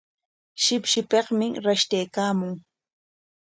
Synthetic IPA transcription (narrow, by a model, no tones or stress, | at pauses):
ʃɪpʃɪpeqmɪɾaʃt̪ajkaːmʊŋ